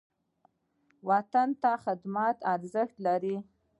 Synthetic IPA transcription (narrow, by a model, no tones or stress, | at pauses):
wɑt̪ant̪axɪd̪mɑt̪ɑɾzəxt̪laɾi